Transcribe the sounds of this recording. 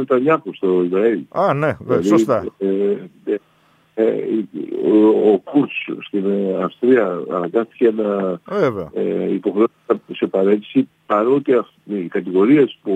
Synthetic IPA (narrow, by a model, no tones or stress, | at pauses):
net̪ɐɲɐxost̪o̞izɾɐilanelɐðit̪ | e | ḛ | okuɾsst̪imeɐfst̪ɾiɐɐ̰nɐɡɐsθi̥cenɐveveɐeipo̞xɾeosɐsepɐɾe̞t̪i̥si | pɐɾot̪e | kɐt̪iɣo̞ɾiespu